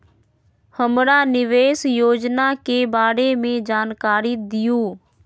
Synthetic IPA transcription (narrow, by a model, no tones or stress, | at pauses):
həmɾaːnɪʋeːsjoːd͡ʒnakebaːɾemẽd͡ʒaːnkaːɾit̪̚d̪ɪjuː